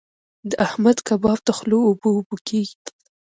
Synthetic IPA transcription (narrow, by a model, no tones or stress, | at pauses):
d̪əʔahmad̪kabɑb̚d̪əxloːboːbokʰeɡi